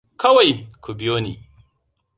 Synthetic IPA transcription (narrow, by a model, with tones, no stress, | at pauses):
kɐ˦wa˨jku˨bɪ˦joː˦nḭː˨